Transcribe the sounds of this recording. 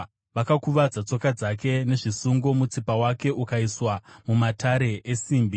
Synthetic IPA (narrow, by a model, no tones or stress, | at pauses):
ʋakakuʋad͡zat͡so̞kad͡zake̞ne̞ʐisuŋɡo̞mut͡sipawake̞ʔukaiswamumatʰaɾe̞esiːmbi